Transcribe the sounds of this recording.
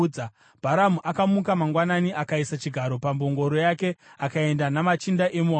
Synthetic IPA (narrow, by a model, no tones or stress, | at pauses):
a | b̥ʱaɾamuʔakamukamaŋɡwananiʔakaisat͡ʃiɡʱaɾo̞pambo̞ŋɡo̞ɾo̞jake̞akae̞ndanamat͡ʃindaʔemuɦa